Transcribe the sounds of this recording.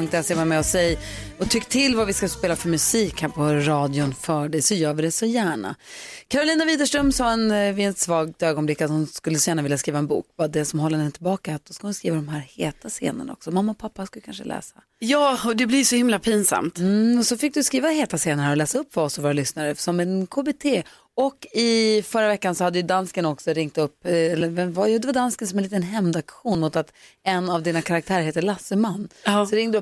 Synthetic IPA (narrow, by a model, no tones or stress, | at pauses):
ɵŋkt̪ɛseːvaɾmɛɔsɛjɔt̪ʰʏkːt̪ʰɪlːvavɪskaspeːlafœɾmɵsiːkhæːɾpʰɔɾɑːd̪jʊnfœːɖɛjsɔjœːɾvɪd̪ɛsɔjæːɳa̰kʰaɾʊliːnaviːd̪əʂʈɾœmsɑːɛnvɪɛt̪svɑːɡ̚t̪øːɡɔnblɪkːat̪hʊnskɵlːəsɔjæːɳavɪljaskɾiːvaɛnbṵːkvad̪ɛsɔmhɔlːənɛnt̪ʰɪlbɑːkaat̪̚d̪ɔskahʊnskɾiːvad̪ɔmɦæːɾheːt̪ʰasḛːnə̰na̰ɔ̰ksɔmamːaɔpʰapːaskɵləkʰa̰nʂə̰lʔɛ̰ːsa | jɑːɔd̪ɛblɪjʂɔhɪmlapʰinsa̰mt̪mmɔsɔfɪk̚d̪ɵskɾiːvaheːt̪aseːnaɾəɔlɛːsaɵpːvɔsɔvoːɾalʏsnaɾəsɔmɛnkʰoːbeːt̪ʰeː | ɔkːɪfœɾːavɛkːansɔhad̪ːəjɵd̪anskənɔksɔɾɪŋt̪ɵpːɛlːəvɛvajuːd̪ɛvad̪anskənsɔmɛnliːt̪ənɦɛmd̪akɧuːnmot̪at̪ɛnːavd̪iːnakʰaɾak̚t̪ʰæːɾəɾheːt̪əɭasːəmanːsɔɾɪŋːd̪ɵp